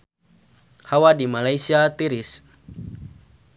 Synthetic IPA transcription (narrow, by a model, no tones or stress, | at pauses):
hawadimalaisiat̪iɾis